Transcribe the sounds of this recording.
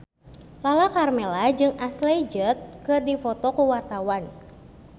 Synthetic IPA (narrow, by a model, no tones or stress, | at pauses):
lalakarmɛlad͡ʒɨŋaslɛd͡ʒət̪̚kɨrdifɔt̪ɔkuwart̪awan